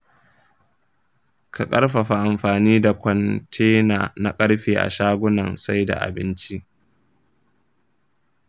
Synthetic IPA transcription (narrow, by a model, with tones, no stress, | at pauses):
kʰa˨kʼɐ˦ɽɸa˨ɸa˨ʔa˨mɸaː˨niː˦da˨kʷɔ˨ntʰeː˦naː˨na˦kʼɐ˦ɽɸeː˨ʔa̰˨ʃaː˦ɡʷʊ˦nɐ˨nsa˦jda̰˨ʔa̰˨bɪ˦nt͡ʃi˦ʔ